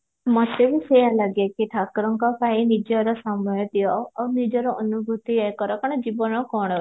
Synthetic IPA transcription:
mɔt̪eʋisɔjalaɡekiʈʰakɾɔŋkɔpaĩnid͡ʒɔɾɔsamɔjɔt̪iɔonid͡ʒɔɾɔʔɔnubʱut̪iekɔɾɔkɔɽ̃ɔd͡ʒibɔnɔkɔɽ̃ɔ

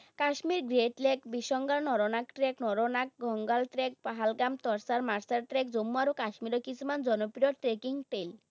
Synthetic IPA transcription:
kaʃmiɾɡɾeʈlekbiʃɔŋɡaɾnɔɾonakʈɾeknɔɾonak̚ɡʱɔŋɡalʈ̪ɾek̚paɦalɡamt̪ɔɾsaɾmaɾsaɾt̪ɾek̚d͡zomːuaɾukaʃmiɾɔkit͡sʰumand͡zɔnɔpɾijɔʈɾekiŋpejl

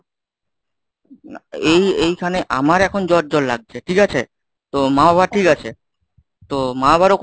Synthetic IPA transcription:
aejejkʰaneʔamaɾɛkʰond͡ʑɔʈ̚d͡ʑɔllaɡ̚t͡ɕʰeʈʰikat͡ɕʰe | t̪omaabaʈʰikat͡ɕʰe | t̪omaabʱaɾok

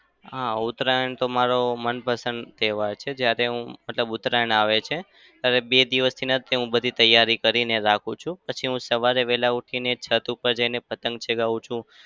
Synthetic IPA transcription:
ɦãʊt̪ɾaəɳt̪omaɾomənpəsənd̪t̪eʋaɾt͡ʃʰed͡ʒjaɾeɦũmət̪ləbut̪ɾaəɳaʋet͡ʃʰe | t̪jaɾebed̪iʋəst̪ʰinat̪eɦũbəd̪ʱit̪əjːaɾikəɾineɾakʰũt͡ʃʰũpət͡ʃʰiɦũsəʋaɾeʋɛlauʈʰinet͡ʃʰət̪upəɾd͡ʒainepət̪ə̃ŋɡt͡ʃʰeɡaʋũt͡ʃʰũ

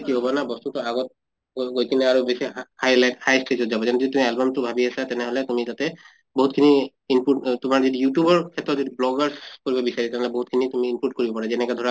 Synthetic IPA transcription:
tiɦobɔnabɔstutʊaɡɔt̚ | ɡojkinɛaɹubesihajlajthajstɹezɔtzabɔzanɛoitumialbamtʊbʱabiasatɛnɛɦɔlɛtumid͡ʒatɛ | boɦutkʰini | impuʈtʊmaɹzidijutjubɔɹkʰɛtɹɔtzodiblɔɡaɹskoɹibɔbisaɹitɛnɛɦɔlɛboɦut̚kʰinitumiːmput̚koɹibɔpaɹazɛnɛkɛdʱɔɹa

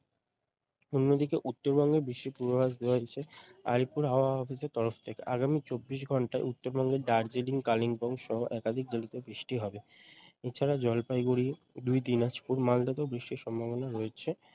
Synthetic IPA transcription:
onːod̪ikeʔut̪ːoɾbɔŋɡebɾiʃːipuɾobasd̪eoat͡ɕʰea̰ɾipuɾɦaoaɔfiseɾt̪ɔɾoft̪ʰekeʔaɡamit͡ɕobːiʃ̬ɡʱɔɳʈaeut̪ːoɾbɔŋɡeɖaɾd͡ʑeliŋkaliŋbɔŋʃɔɦoʔɛkad̪ʱik̚d͡ʑelit̪ebɾiʃʈiɦɔbeet͡ɕʰaɾad͡ʑɔlpajɡuɾi | d̪ujd̪inaʃpuɾmald̪at̪obɾiʃʈiɾʃɔmbʱaβonaɾɔet͡ɕʰe

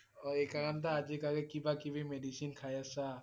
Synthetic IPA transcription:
ɔɾekakant̪̬aad͡ʒikaɡekibakibʱimeɖisinkʰajasa

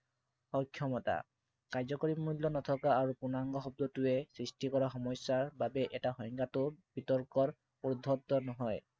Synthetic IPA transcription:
xɔkʰːjɔmɔta̰ | kajzɔkɔɹimuljɔnɔtʰɔkaːɹupunaŋɡɔxɔb̚d̪ɔtʊɛsɹistikɔɹaxɔmɔsːaɹbabɛʔɛtaxɔjŋkatʊb̥itɔɹkɔɹ | ud̪ʱɔtɔnɔɦɔj

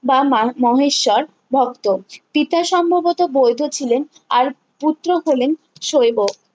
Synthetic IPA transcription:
bamɔɦeʃːɔɾ | bʱɔkt̪opit̪aʃɔmbʱobot̪obojd̪ʱot͡ɕʰilen | aɾ | put̪ːɾoɦolen | ʃojbok

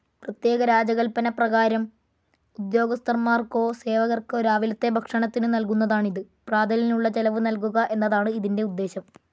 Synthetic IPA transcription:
prɐt̪je̞ːɣɐɾaːd͡ʑɐɣɐlpɐnɐprɐɣaːɾɐm | ud̪jo̞ːɡɐst̪ɐrmaːrko̞ːse̞ːʋɐɣɐrkɨoɾaːʋilɐt̪ːebʱɐkʂɐɳɐt̪ːinɨnɐlkunːɐðaːɳiðɨ | praːd̪ʱɐlinuɭːɐt͡ɕelɐʋɨnɐlkuɣɐʔe̞nːɐðaːɳɨiðinde̞ud̪ːe̞ːɕɐm

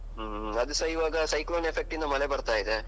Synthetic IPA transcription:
ɐd̪usɐiʋaːɡɐsɐjkloːnepʰe̞k̚ʈind̪ɐmɐle̞bɐɾt̪aːjid̪e

